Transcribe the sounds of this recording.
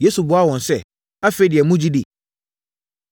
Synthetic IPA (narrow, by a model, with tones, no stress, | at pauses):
je˦su˨bʊ˦a˦˨wɔ̃˨n̩˨sɛ˦˨ | a˦fe˦dɪ˨ɛ˨mũ˦d͡ʑi˦di˨